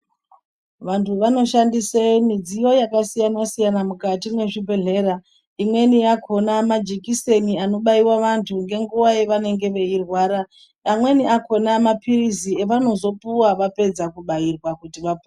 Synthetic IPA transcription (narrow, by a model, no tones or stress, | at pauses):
ʋantʰuʋano̞ʃandisemid͡zijo̞jakasijanasijanamukatimwe̞ʐibʱe̞ɮe̞ɾa | imwe̞nijakʰo̞namad͡ʒikise̞niano̞ɓaiwaʋantʰuŋɡe̞ŋɡuʋaje̞ʋane̞ŋɡe̞ʋe̞irwaːɾa | amwe̞niako̞namapirisie̞ʋano̞zo̞puwaʋape̞d͡zakuɓairwakutiʋapu